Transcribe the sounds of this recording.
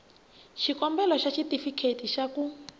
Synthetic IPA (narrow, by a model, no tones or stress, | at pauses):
ʃikɔmbɛlɔʃaʃitifikʰetiʃaku